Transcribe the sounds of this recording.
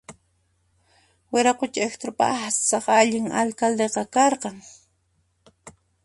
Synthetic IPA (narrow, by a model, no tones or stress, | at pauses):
weɾaqʊt͡ʃaekt̪ɾʊpa̰asɑχaʎɪŋa̰lkald̪eqɑkɑɾqɑŋ